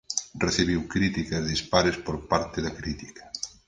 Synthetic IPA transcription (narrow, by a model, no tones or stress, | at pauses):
reθiβiwkɾit̪ikɐzðispaɾespoɾpaɾt̪ɪðɐkɾit̪i̥kɐ̥